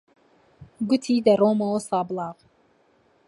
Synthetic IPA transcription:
ɡʊt̪ʰiːd̪ɐroːmɐwosɑːblˠɑːʁ

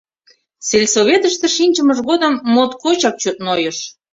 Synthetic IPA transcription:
t͡selʲsoβet̪əʃt̪ĕʃinʲt͡ɕəməʒɣod̪əmːot̪kot͡ɕɑk̚t͡ɕot̪̚nojɤʃ

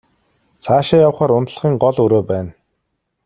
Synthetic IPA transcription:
t͡sʰaːʃaːjawχaːɾʊnt̪ə̆ɮ̆χiːŋɢɔɮɵɾoːpæːn

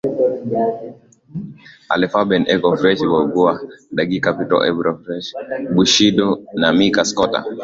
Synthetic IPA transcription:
a̰lɛfabɛnɛkɔfɾɛʃwɔɡuaɗaɡikapitɔ̰ʔɛbɾɔfɾɛʃbuʃidɔnamikaskɔta̰

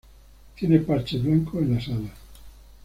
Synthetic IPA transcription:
t̪jenepaɾt͡ʃeβlaŋkʰoenlasala

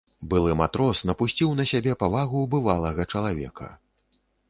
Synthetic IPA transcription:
bɨlˠɨmat̪ɾɔsnɐpusʲt͡sʲiwnɐsʲabʲɛpavaɣubɨvalˠɐɣɐt͡ʂɐlˠavʲɛ̰kʰɐ̰

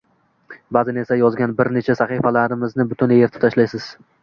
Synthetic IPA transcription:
bazɪne̞sajɒzɡʲanbɪɾne̞t͡ʃʰasaχɨfalaɾɪmɪznɪbʊt̪ʊneɾt̪ʰɪ̥pt̪ʰaʃlajsɪz̥

